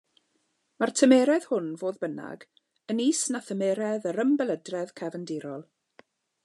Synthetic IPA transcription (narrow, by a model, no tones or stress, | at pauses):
martʰəmeːɾɛð̥hʊnvoːðbəna̰ɡ | əniːsnaθəmeːɾɛðəɾəmbɛlˠədrɛðkʰɛvəndɪɾɔlˠ